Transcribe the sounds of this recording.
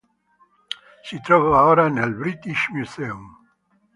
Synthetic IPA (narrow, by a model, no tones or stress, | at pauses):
sit̪ɾɔvaoːɾanelbɾit̪iʃmuzeum